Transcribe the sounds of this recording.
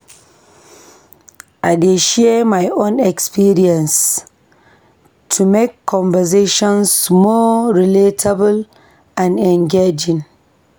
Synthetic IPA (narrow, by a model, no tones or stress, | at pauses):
ʔaɪdeʃɛmajõnɛkspiɾiɛ̃ns | tʰumekʰːɔ̃ɱvɛs̬eʃɔ̃nsmɔɹiletʰabəl | ãnɛ̃ŋɡed͡ʒĩn